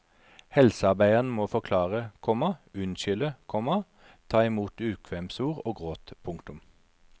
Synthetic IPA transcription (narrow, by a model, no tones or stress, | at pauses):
hɛlsəɑʁbæɪəʁnəmoːfɔʁkʰlɑːʁəkʰɔmɑʉnʃʏləkʰɔmɑ | t̪ʰɑːɪmuːt̪ʉːkʰʋɛmsuːʁoːɡʁoːt̪pʰʊŋkt̪ʊm